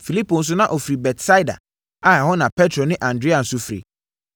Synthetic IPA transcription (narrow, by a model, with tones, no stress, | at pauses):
fi˨li˦pʰo˨n̩˦s̬ʊ˦nã˦ʔo˨fɾi˨bɛ˨tsa˦da̰˨ | a˨hɔ̃˦nã˨pʰɛ˦tʰɾɔ˨nɪ̃˦ʔã˨ndɾe˦a˨n̩˨˦sʊ˦fɾḭ˨